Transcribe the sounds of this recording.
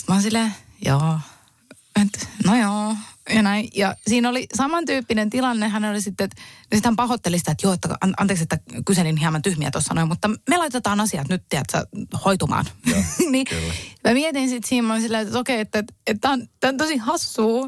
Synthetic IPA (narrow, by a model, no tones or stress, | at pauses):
t̪mɑnsile | joː | et̪nojoːjɑnæijɑsiːnolisɑmɑnt̪yːpːinent̪ilɑnːehænolisit̪ːet̪nsit̪hæmpɑhot̪ːelisi̥t̪æet̪joːet̪ːækɑ̰ɑ̰nt̪eːkset̪ːækyselinhiɑmɑnt̪yhmiæ̰t̪ossɑ̰noimut̪ːɑmelɑit̪ːet̪ɑːnɑsiɑt̪nyt̪t̪iæt̪sɑ̰hoit̪umɑ̰ːnnimæmiet̪insit̪siːmmɑnsilːet̪okeiet̪ːæt̪et̪t̪æont̪ænt̪osihɑsːuː